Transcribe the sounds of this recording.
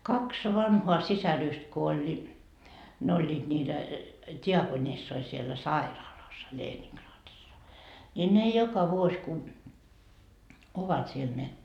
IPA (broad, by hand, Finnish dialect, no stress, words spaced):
kɑks ʋɑnhoɑ sisæryst ko olʲ ne olʲːiːd̥ niːtæ tiɑkonisːoi sielːæ sɑirɑːlɑsːɑ leːniŋkrɑːtisːɑ nʲi ne jokɑ ʋuos ku oʋɑt siel ne